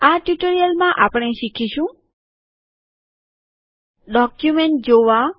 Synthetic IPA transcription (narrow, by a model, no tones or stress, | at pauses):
aʈjuʈoɾijəlmãʔapəɽ̃eʃikʰiʃũ | ɖɔkjumeɳʈ̚d͡ʒoʋa